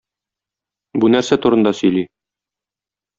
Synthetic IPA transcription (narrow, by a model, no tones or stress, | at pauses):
bunæɾsæt̪uɾɤ̆nd̪ɑsɵ̆jli